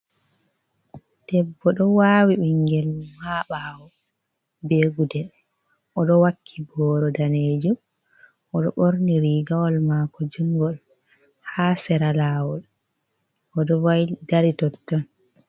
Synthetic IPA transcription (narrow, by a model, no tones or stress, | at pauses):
tɛbːɔɗɔwaːwiɓiŋɡɛlhaɓaːwɔ | beːɡudɛl | ʔɔɗɔwakʰːibɔːɾɔdaneːd͡ʒu | ɔɗɔɓoɾniɾiːɡawɔlmaːkɔd͡ʒuŋɡɔl | haːsɛɾalaːwɔl | ʔɔɗɔwajdaɾitɔtːɔn